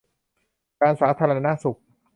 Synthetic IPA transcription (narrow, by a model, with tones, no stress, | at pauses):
kaː˧nsaː˩˦t̪ʰaː˧ɾa˧a˧na˦˥su˨˩k̚